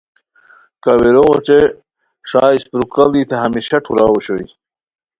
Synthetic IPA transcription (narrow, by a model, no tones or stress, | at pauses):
kɐwiɾoʁot͡ɕe | ʂaːispɾukɐld̪it̪ʰeɦɐmiɕɐʈʰuɾawoɕoj